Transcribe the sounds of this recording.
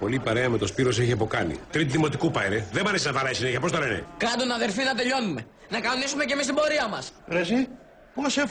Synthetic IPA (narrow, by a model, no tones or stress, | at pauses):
po̞lipɐɾe̞ɐme̞t̪o̞spiɾo̞seçiɐpo̞kɐnḭt̪ɾit̪iðimo̞t̪ikupɐɾeðemɐɾesinɐvɐɾɐisineçiɐpost̪ɐle̞nḛkɐd̪onɐðe̞ɾfinɐt̪e̞ʎo̞nume̞ | nɐkɐonisume̞cemist̪ibo̞ɾiɐmɐsɾezi | poɐsef